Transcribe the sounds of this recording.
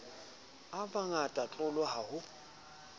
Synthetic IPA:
abaŋatʼat͡ɬʼʊlɔhahʊ

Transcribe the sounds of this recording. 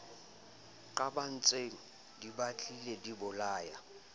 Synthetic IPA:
kʼaban̩t͡sʼeŋ̩ | dibat͡ɬʼiledibʊlaːja

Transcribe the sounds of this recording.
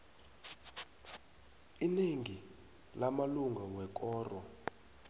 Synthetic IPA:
ineŋi | lamaluŋɡʱawɛk̬ʼɔːrɔ

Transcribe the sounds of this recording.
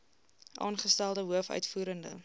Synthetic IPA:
ʔɑ̰ːnχəstælˠdəɦuəfœ̰ɥtfuːɾəndə̰

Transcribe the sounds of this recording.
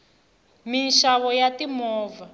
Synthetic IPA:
minʃaβɔjatimɔːva

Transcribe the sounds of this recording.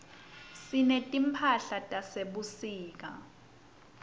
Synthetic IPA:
sinɛtʼimpʰaɬatʼaseɓusiːk̬ʼa

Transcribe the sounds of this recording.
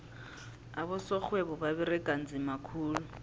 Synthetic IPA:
abʊsɔk͡xwebɔbabɪrɪkʼan̩d͡zɪmakʰuːlʊ

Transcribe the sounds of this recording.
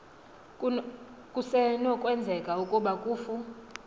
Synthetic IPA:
kʼusɛnɔkʼwɛnd͡zʱɛkʼaukʼuɓakʼuːfu

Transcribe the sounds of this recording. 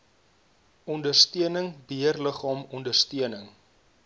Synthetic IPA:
ɔndərstiənəŋbiərləχɑːmɔndərstiənəŋ

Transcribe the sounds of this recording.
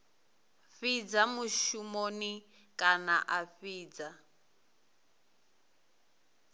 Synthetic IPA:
ɸid͡zamuʃumoni | kʼana̰ʔaɸiːd͡za

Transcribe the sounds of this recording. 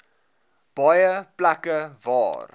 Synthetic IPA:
b̥ɐjəplɐkəvɑ̰ːr

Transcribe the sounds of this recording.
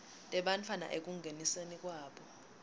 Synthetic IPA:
tʼɛɓant͡fʰana̰ʔek̬uŋɡʱenisenik̬ʼwaːɓɔ

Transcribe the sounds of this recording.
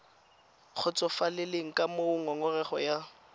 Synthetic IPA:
k͡xʰʊt͡sʼɔfalɪlɪŋ̩kʼamoʊŋɔŋɔrɛχɔ̰ja

